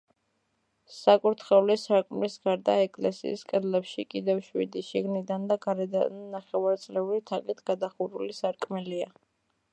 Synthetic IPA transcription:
sakʼuɾt̪ʰχɛulisaɾkʼmlisɡaɾd̪aɛkʼlɛsḭːskʼɛd̪lɛpʃikʼid̪ɛfʃwḭd̪iʃiɡnid̪and̪aɡaɾɛd̪anaχɛvaɾt̪sʼlɛuɾit̪ʰakʼit̪ʰɡ̥ad̪aχuɾulisaɾkʼmɛlia

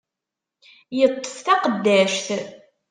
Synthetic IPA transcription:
jət̪ˤːə̥fθæqəd̪ːæʃθ

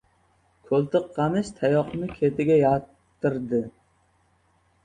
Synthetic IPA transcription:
kʰɵlˠt̪ɨqʰːɑmɪʃt̪ʰajɒqnɪkʲʰet̪ʰɪɡʲajat̪ː | ɪɾd̪ɪ

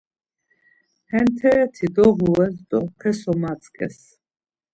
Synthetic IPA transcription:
hɛnt̪ʰɛɾɛt̪ʰid̪ɔʁuɛsd̪ɔpʰɛsɔmat̪sʼkʼɛ̰s

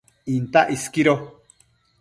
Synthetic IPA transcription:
int̪aʔiskiɾo

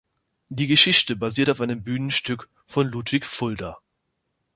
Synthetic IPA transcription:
d̥iːɡəʃɪçtəbaziːɐtaʊfʔaɪnəmbyːnənʃtʏk | fɔnluːtv̥ɪçfʊldɐ

